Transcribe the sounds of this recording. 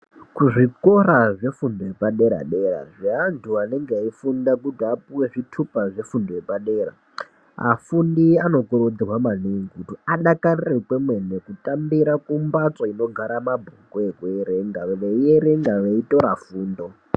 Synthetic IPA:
kuʐiko̞ɾaʐe̞fundo̞jepaɗe̞ɾa̰ɗe̞ɾa̰ʐiɦantʰuane̞ŋɡeaifundakutiapuwe̞ʐitʰupaʐe̞fundo̞jepaɗe̞ːɾa̰ | a̰fundiano̞koɾod͡zirwamaneŋɡutiaɗakarirekwe̞mwe̞nekutʼambiɾakumbat͡soino̞ɡʱaɾamabʱokoekujeɾeŋɡaʋeieɾeŋɡaʋeitʼo̞ɾafuːndo̞

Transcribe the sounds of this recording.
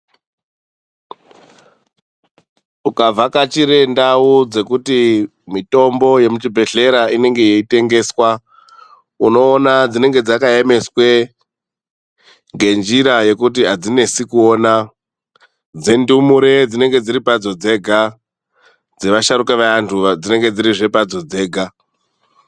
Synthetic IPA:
ukavakat͡ʃiɾe̞ndaud͡ze̞kuti | mito̞mbo̞je̞mut͡ʃibʱe̞ɮe̞ɾaine̞ŋɡe̞jeite̞ŋɡe̞ːswa | uno̞ːnad͡zine̞ŋɡe̞d͡zakaeme̞swe̞ | ŋɡe̞nd͡ʒiɾaje̞kut̬iɦad͡zine̞sikuona | d͡ze̞ndumuɾe̞d͡zine̞ŋɡe̞d͡ziɾipad͡zo̞d͡ze̞ɡʱa | d͡ze̞ʋaʃaɾukeʋaantʰud͡zine̞ŋɡe̞d͡ziɾiʐe̞pad͡zo̞d͡ze̞ːɡʱa

